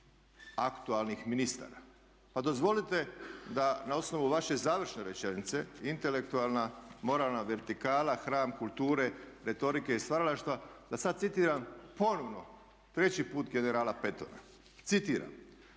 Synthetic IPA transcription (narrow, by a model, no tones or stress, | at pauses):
akt̪ualnixminist̪a̰ːɾa | pad̪o̞zʋo̞lit̪e̞d̪anao̞sno̞ʋuʋaʃe̞zaːʋr̩ʃne̞ɾet͡ʃe̞nit̪se̞int̪e̞le̞kt̪ualnamo̞ɾaːlnaʋe̞ɾt̪ikaːlaxɾaːmkulˠt̪uːɾe̞ɾe̞t̪o̞ɾike̞ist̪ʋaɾalaʃt̪ʋad̪asad̪t̪sit̪iːɾampo̞noʋno̞ | t̪ɾe̞t͡ɕipuːt̪ɡene̞ɾaːlape̞t̪o̰na̰ | t̪sit̪iːɾa̰m